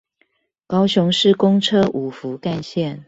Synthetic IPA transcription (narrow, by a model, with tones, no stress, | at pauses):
kɑ˥ʊɕʊ˧˥ŋʂɻ̩˥˨kʊ˥ŋʈ͡ʂʰɤ˥ʔu˨˩fu˨˦ka˥˧nɕjɛ˥˨n